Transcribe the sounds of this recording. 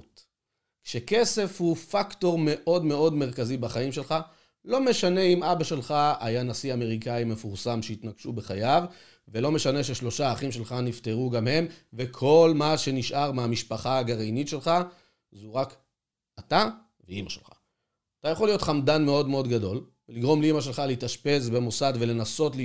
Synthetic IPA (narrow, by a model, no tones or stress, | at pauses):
t | kʃeke̞se̞fhufakto̞ʁme̞ʔo̞dme̞o̞dme̞ʁ̞kazibaχaimʃe̞lχa | lo̞me̞ʃane̞imabaʃe̞lχaajanasiame̞ʁikaime̞fuʁsamʃeit̪naɡ̥ʃubeχajav | velo̞me̞ʃane̞ʃe̞ʃlo̞ʃaːχimʃe̞lχanifte̞ʁuɡamhe̞mvekʰo̞lmaʃe̞niʃʔaʁmeamiʃpaχaːɡaʁejnitʃe̞lχa | zuʁak | at̪a | veimaʃelχḁ | at̪ajaχo̞lijo̞t̪χamdanme̞o̞dme̞o̞d̪ɡado̞l | veliɡʁo̞mleimaʃ̬e̞lχaleit̪aʃpe̞sbe̞mo̞sadve̞le̞naso̞tl